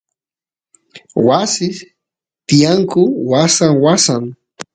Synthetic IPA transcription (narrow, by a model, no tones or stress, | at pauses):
wasɪ | t̪ɪjaŋkʊwasaŋwasaŋ